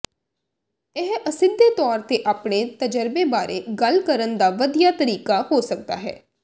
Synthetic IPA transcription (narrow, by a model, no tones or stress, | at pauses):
ɪɦəsɪnd̪eːt̪ɔːɾt̪eːʔaːpɳeːt̪əd͡ʒəɾbeːbaːɾʔḛːɡəlkəɾənd̪aːʋəd̪ijaːt̪əɾiːkaːhoːsək̚d̪a̰ːɦɛ̰ː